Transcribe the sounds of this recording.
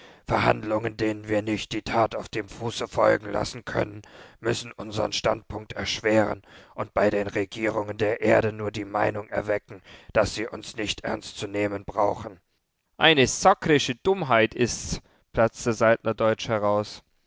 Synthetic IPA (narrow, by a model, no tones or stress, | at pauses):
fɛɐha̰ndlʊŋəndeːnənviːɐnɪçt̚d̥iːtʰaːtaʊfd̥eːmfuːsəfɔ̰lɡŋ̩la̰sn̩kʰœ̰nənmʏsn̩ʔʊnzə̰ʁə̰nʃta̰ntpʰʊŋk̚tʰɛɐʃv̥eːʁə̰nʔʊnt̚b̥aɪɾeːnʁeɡiːʁ̞ʊŋəndeːɐʔeːɐɾənuːɐdiːma̰ɪnʊŋɛ̰ɐvɛkŋ̩d̥asz̥iːʔʊnsnɪçtʔɛ̰ɐnstt͡suneːmənbʁaʊxn̩ | ʔaɪnəsaklɪʃədʊmɦaɪtʰɪst͡s | pl̥at͡stəzaltnɐdɔʏt͡ʃhɛʁaʊs